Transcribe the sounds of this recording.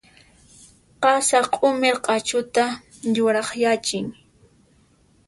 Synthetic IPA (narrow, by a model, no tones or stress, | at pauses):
qɑsaqʼʊmɪɾqʼɑt͡ʃʊt̪a | ʎʊɾɑχjat͡ʃɪŋ